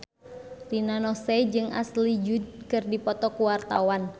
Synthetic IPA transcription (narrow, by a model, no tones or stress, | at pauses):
rinanɔsɛd͡ʒɨŋʔa̰slid͡ʒud̪̚kɨrdipɔt̪ɔkuwart̪a̰wan